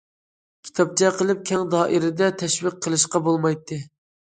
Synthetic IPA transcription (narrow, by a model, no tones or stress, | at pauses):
kʲʰi̥t̪ʰɑp̚t͡ʃʰɛqəlˠɪp̚kʲʰɛŋd̪ɑːʔɪɾɪd̪ɛt̪ʰɛʃwɪq̚ʰːəlˠɨʃqɑbolˠmɑjt̪ʰːɨ